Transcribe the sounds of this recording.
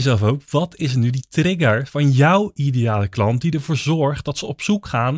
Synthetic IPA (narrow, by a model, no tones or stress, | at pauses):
zɛlˠfowkʋɑtʰɪs̬ənyditrɪɡəɹv̥ɑnjɔwidejaːləklɑntdidəɹvoːɹzɔɹχt̚dɑtsəɔpsukχaːn